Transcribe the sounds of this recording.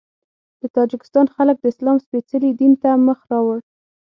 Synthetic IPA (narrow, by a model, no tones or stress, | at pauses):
d̪̥ət̪ɑd͡ʒɪkɪ̥st̪ɑnxalək̚d̪əɪslɑmspet͡səlid̪int̪aməxɾɑwəɽ